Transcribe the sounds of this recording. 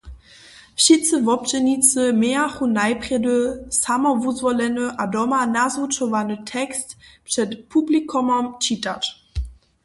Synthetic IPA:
ʃit͡səvɔp̚d͡ʒɛnit͡səmɛaχunaɪpʁ̥ɛdəsamɐvuzvɔlɛnəʔadɔmanazut͡ʃɔvanətʰɛkstpʂɛtpʰublikʰɔmɔmt͡ʃitat

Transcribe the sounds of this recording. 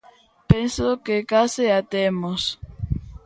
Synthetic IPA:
pensokekasɪat̪emos

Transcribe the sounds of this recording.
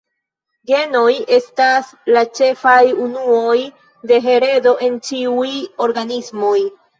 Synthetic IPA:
ɡe̞no̞je̞stas | lat͡ʃe̞fajunuo̞j | de̞ɦe̞ɾe̞do̞ʔe̞nt͡ʃiujo̞ɾɡanismo̞j

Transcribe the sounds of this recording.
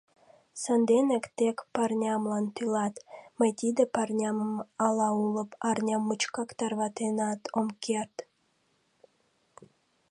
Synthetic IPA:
sənd̪enəkt̪ekpɑrnʲɑmlɑnt̪ylɑt̪məjt̪id̪əpɑrnʲɑməmɑlɑulə̆pɑrnʲɑmːut͡ʃkɑkt̪ɑrβɑt̪enɑt̪ʰomkʰert̪

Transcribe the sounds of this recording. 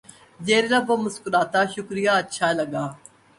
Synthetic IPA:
d͡ʒeːɾeɾabomʊskʊlaːt̪aːʃʊkɾijaːɐtːʃʰaːlɐɡaː

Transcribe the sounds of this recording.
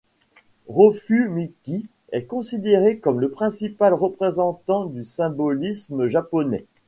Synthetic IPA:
ʁəfymiki | ɛkɔ̃sid̪eʁekɔmləpχɛ̃sipalʁəpχezɑ̃t̪ɑ̃d̪ysɛ̃bɔlisməʒapɔnɛ̰

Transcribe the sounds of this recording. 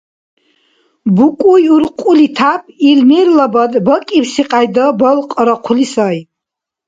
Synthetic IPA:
bukʼujuɾqʷʼulit̪ʰapʰʼilmiɾlabad̪bɔkʼipsiqʼajd̪ɔbɔlqʼɾɔqʷʰlisaj

